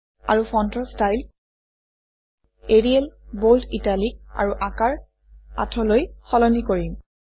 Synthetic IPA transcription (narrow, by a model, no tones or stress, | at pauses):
a̰ɹufʰɔntɔstajl | eɹiɛlbolditalik̚a̰ɹuʔakaɹ | a̰tʰɔlojxɔlɔnikoɹim